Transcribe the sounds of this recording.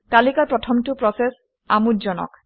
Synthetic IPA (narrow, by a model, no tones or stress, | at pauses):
kalikapɹɔtʰɔmtupɹɔses | amutd͡ʒɔnɔ̰k